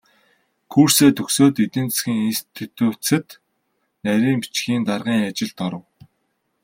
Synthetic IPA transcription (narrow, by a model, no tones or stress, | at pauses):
kʰuːr̥seːt̪ʰɵxsoːt̪et̪ɘ̆nt͡ssxʲiːŋinsi̥t̪ʰut̪uːt͡sɘ̆t̪ | næɾʲiːŋpi̥t͡ɕɡiːnt̪arʁiːŋat͡ɕɪ̆ɮt̪ɔɾə̆w